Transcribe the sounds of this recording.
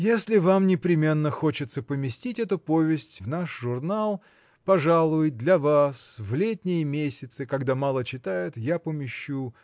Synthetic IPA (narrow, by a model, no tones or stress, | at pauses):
jesʲlʲɪvamnʲɪpɾʲɪmʲe̞nːəxo̞t͡ɕɪt̪səpəmʲɪsʲtʲitʲɛt̪ʊpovʲɪsʲtʲvnaʂʐʊrnalˠ | pɐʐalˠʊjd̪lʲɐvasvlʲetʲnʲɪjəmʲesʲɪt̪sɨkɐɡd̪amalˠət͡ɕɪt̪ajɪt̪japəmʲɪɕːu